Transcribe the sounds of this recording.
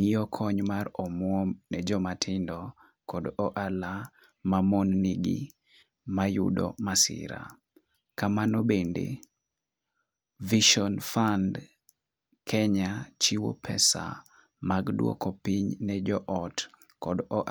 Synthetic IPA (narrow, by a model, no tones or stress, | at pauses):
ɲijɔkʰɔɲmarɔmwɔnɛd͡ʒɔmatʰɪndɔ | kɔdɔʔala | mamɔnːiɡḭ | majṵdɔ̰masɪ̰ɾa̰ | kamanɔbendḛ | viʃɔnfand | kʰɛɲat͡ʃiwo̰pʰɛsa̰ | maɡdwɔ̰kɔpiɲnɛd͡ʒɔʔɔt | kɔdɔʔ